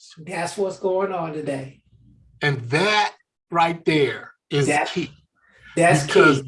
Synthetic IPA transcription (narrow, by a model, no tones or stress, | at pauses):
ðætswʌtsɡ̥oʊɪ̃ŋə̃ntɨdeɪ | ɨ̃nðɨt̚ | ɹaɪt̪̚ðə˞ | ɪzæi | ðætskʰi